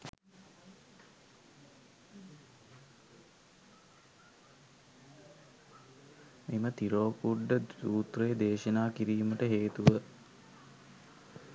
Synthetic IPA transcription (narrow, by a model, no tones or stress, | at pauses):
mimət̪iɾoːpuɖːəduːt̪rejed̪eːʃənaːkiɾiːməʈəɦeːt̪uʋə